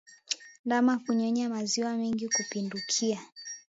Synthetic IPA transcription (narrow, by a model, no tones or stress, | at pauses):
ndamakuɲɔɲamaziwamɛŋɡikupindukʰia